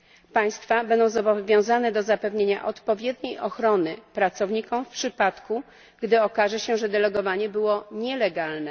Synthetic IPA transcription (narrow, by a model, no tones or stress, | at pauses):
paj̃st̪fabɛnd̪ɔ̃w̃zɔbɔvʲjɔ̃w̃zanɛd̪ɔzapɛvɲeɲa̰ʔɔt̪pɔvʲjɛd̪ɲejɔxɾɔnɘpɾat̪sɔvɲikɔmfpʂɘpat̪ku | ɡd̪ɘɔkaʐɛɕɛʐɛd̪ɛlɛɡɔvaɲɛbɘwɔɲɛlɛɡalnɛ